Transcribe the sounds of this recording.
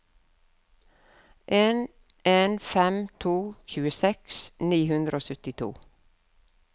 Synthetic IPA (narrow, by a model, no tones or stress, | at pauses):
ʔeːn | ʔeːnfɛmt̪ʰuːçʉːəsɛksniːhʉnd̪ɾʔoːsœt̪ɪt̪ʰṵː